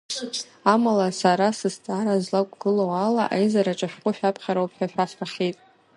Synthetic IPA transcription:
amalasaɾasɨst͡sʼaɾazlakʷʼɡɨlowalaʔajzaɾaʈ͡ʂʼaħqʷʼʊʃᶣapʰχʲaɾowpʰħᶣaħᶣasraχʲitʼ

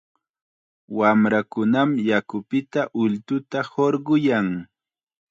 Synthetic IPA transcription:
wamɾakʊnamjakʊpɪt̪aʔʊlt̪ʊt̪ahoɾɢʊjaŋ

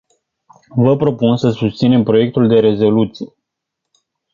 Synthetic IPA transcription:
vəpɾo̞punsəsust̪sine̞mpɾo̞je̞k̚t̪uld̪e̞ɾe̞zo̞lut̪sije

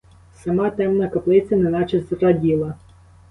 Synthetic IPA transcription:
sɐmɑt̪ɛmnɐkɐplˠɪt̪t͡sʲɐnɛnɑt͡ʃɛst̪ɾɐdʲilˠɐ

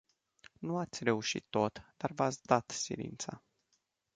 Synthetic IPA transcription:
nuat̪sʲre̞uʃḭt̪ːo̞t̪d̪̥arvat̪sʲd̪at̪sḭɾḭnt̪sa̰

